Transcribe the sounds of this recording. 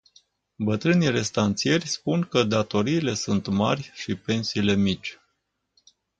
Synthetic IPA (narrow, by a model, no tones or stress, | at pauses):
bət̪ɾɨnire̞st̪ant̪sije̞rʲspuŋkəd̪at̪o̞ɾiːle̞sunt̪ma̰rʲʃipe̞nsiːle̞mit͡ʃʲ